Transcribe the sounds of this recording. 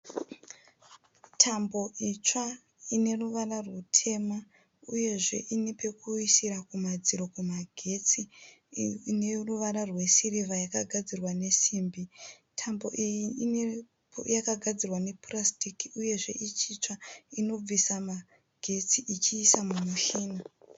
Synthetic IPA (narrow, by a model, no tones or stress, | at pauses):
tʰambo̞ʔit͡ʂa | ine̞ruʋararwutʰe̞ma | uje̞ʐe̞̰ʔinepe̞kuisiɾakumad͡ziɾo̞kumaɡʱe̞t͡si | neruʋaɾarwe̞siriʋajakaɡʱad͡zirwane̞siːmbi | tʰambo̞̰ʔijiine | jakaɡʱad͡zirwane̞prastikiuje̞ʐe̞̰ʔit͡ʃit͡ʂaino̞b͡visama | ɡ̥ʱe̞t͡siʔit͡ʃiːsamumuʃiːno